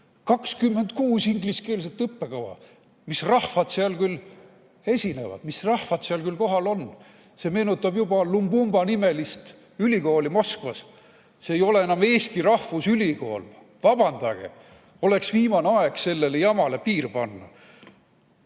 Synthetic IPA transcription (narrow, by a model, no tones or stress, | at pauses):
kɑkskymːe̞nd̪̚kuːsiŋɡliske̞ːls̬et̪ːˑɤpːe̞kɑwɑ̰ | misrɑhvɑd̪̥seɑlkylː | e̞sʲine̞̰vɑ̰d̪̥misrɑhvɑd̪̥seɑlkylko̞ɦɑlo̞n | se̞ːme̞ːnut̪ːˑɑb̥jubɑlumbumb̥ɑnime̞list̪ | ylʲiko̞ːlimo̞skvɑsː | eːjo̞le̞enɑme̞ːst̪irɑhvusylʲiko̞̰ːl | vɑb̥ɑnd̪̥ɑɡ̥ḛ | o̞le̞ksviːmɑneɑeɡ̥se̞lːe̞lejɑmɑlepiːrpɑnːɑ̰